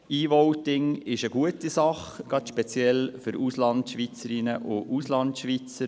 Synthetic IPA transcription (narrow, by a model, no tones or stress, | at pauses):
iːʋɔwtɪŋɪʃəɡ̥uətisɑχɡ̥ɑtʃpɛt͡sjɛlfʏɾuslɑntʃʋit͡səɾɪnəʔʊʔuslɑntʃʋit͡sə